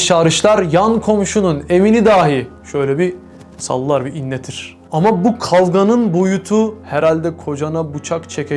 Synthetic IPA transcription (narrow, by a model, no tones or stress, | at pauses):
ʃaɾɯʃlˠaɾjankʰo̞mʃunune̞vinid̪aːɦiʃø̞jlʲɛbi | sa̰lˠːaɾbiinːɛt̪ʰiɾ̥ | amabukʰalˠɡanɯnbo̞jut̪ʰuhɛɾalʲd̪ɛkʰo̞d͡ʒanabut͡ʃʰakt͡ʃʰɛkʰɛ